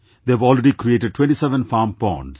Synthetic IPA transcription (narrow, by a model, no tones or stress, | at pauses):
d̪eæʋɔːlɾeɖikɾieːʈeɖ̚ʈwẽɳʈisɛʋə̃nfaːmpɔ̰̃ːɳɖs